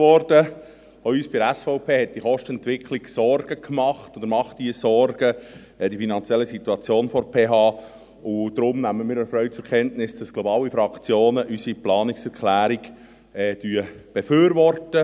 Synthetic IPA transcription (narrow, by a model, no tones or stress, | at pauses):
ʋɔɾd̥ə | oyːsb̥iæsfɔʊpʰeːɦɛt̚d̥iχɔʃtɛntʋɪkʰliɡsɔrɡ̥əkʰmɑχt̪od̪əɾmɑχtd̥iəsɔɾɡ̥ə | ɛd̥ifinɑnt͡sjɛlːisit̪ːuɑt͡sjoːnfɔɾpʰeːɦɑː | ʊd̥̪ɾʊmnæmːəmɪːɾəfɾœʏt͡sʊɾkʰɛntnɪsd̥ɑslɔbɑːlifɾɑkt͡sjoːnəʔysiplɑːniksɛɾklæːɾiɡ | ɛd̥yəb̥eføːɾʋɔrtə